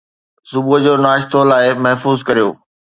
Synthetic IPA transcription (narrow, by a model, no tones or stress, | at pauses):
sʊbuəd͡ʑoːnaːʃt̪olaːɪmɐɦfuːzkɐɾijo̰ː